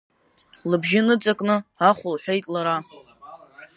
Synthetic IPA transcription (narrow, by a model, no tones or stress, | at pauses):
lɨbʒɪnɨt͡sʼakʼnɨaχʷʊlħʷᶣejtʼlaɾa